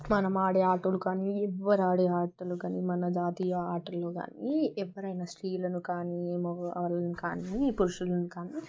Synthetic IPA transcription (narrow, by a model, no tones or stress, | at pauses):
mɐnɐmaːɽeaːʈɐlukaːniɛʋːɐɾaːɽeaːʈːɐlukaːnimɐnɐd͡ʒaːt̪ijɐaːɾʈɐlːoːka̰ːniɛʋːɐɾɐjnɐsʈiːlɐnukaːnimɔɐlɐnukaːnipuɾuʃulɐnukaːni